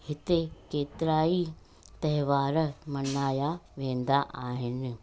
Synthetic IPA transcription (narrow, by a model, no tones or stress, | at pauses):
hɪt̪ekeːt̪ɪɾaːi | t̪ɐɦʋaːɾmɐnaːjaʋẽːn̆d̪aʔaːɦɪnɪ̆